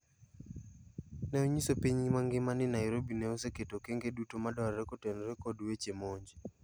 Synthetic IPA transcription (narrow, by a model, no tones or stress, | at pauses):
nɛoɲisopiɲimaŋɡɪmanɪnajɾobinɛoseketokeŋɡedutomadaɾɾɛkotɛnɔɾɛkodwet͡ʃemoɲd͡ʒi